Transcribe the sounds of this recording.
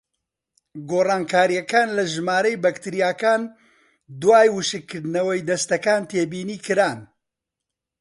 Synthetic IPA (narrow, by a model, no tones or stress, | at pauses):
ɡoːraːnkʰaːɾijɐkaːnlɐʒɨmaːɾɐjbɐkt̪ɨɾijaːkaːn | d̪waːjwɨʃɨkʰːɨɾd̪nɐwɐjd̪ɐst̪ɐkaːnt̪ʰeːbiːniːkɨɾaːn